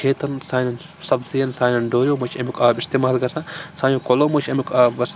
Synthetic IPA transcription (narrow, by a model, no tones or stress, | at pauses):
eːt̪ɐnsaːnɐn | sɐbzijɐnsaːnɐnɖoːɾʲjoːmɐt͡ʃʰɐmʲikʰaːbist̪eːmaːlɡɐsãsaːjõːkoloːmɐt͡ʃʰɐmʲikʰaːbɡɐs